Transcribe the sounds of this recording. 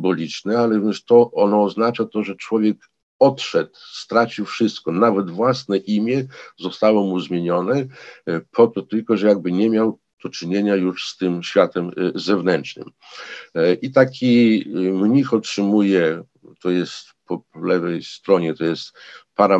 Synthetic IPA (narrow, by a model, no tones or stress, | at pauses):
bɔlʲit͡ʂnɛalɛvvʲɛʂt̪ɔʔɔnɔːznat͡ʂat̪ɔʐɛt͡ʂwɔvʲjɛk | ɔt̪ʂɛt̪st̪ɾat͡ɕiwfʂɘst̪kɔnavɛd̪vwasnɛʔimʲjɛzɔst̪awɔmuzmʲjeɲɔnɛ | pʰɔt̪ɔt̪ɘlkɔʐɛjaɡ̚bɘɲɛmʲjaw | d̪̥ɔt͡ʂɘɲeɲajuʂst̪ɘmɕfʲjat̪ɛmzɛvnɛntt͡ʂnɘ̰m | ʔit̪akʲimɲixɔtʂɘmujɛ | t̪ɔjɛst̪pɔpɔlɛvɛjst̪ɾɔɲɛt̪ɔjɛst̪paɾa